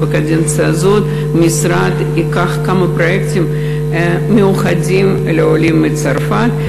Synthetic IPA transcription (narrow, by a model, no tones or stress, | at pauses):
bɨkadʲent̪sɨazot̪ | mʲɪsɾat̪ | ikaxkamɨpɾɐektʲɪm | mʲɪʊxadʲim | lʲɪolʲimːɨt̪sarfat̪